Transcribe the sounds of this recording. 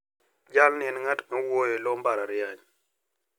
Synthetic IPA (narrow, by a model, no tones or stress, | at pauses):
d͡ʒalnɛnŋatmawojelɔmbaɾaɾjaɲ